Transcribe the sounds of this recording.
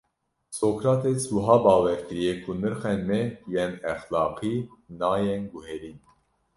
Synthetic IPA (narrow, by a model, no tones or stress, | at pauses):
sokʰɾɑt̪ʰɛt͡sʰuɦɑbɑvɛɾkʰəɾijɛkʰunəɾχɛnmɛjɛmɛχlɑqʰinɑjɛnɡuhɛɾin